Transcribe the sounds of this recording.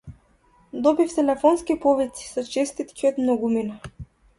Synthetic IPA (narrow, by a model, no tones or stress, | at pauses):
d̪ɔbift̪ɛlɛfɔnskipɔvisi̥sɔt͡ʃɛst̪it̪kʲiɔt̪mnɔɡumina